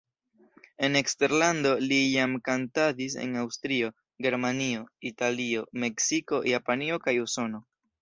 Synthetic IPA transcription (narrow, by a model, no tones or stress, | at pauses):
e̞ne̞kste̞ɾlando̞lijamkantadis̬e̞̰nawstɾio̞ | ɡe̞ɾmanio̞italio̞me̞ksiko̞japanio̞kajuso̞no̞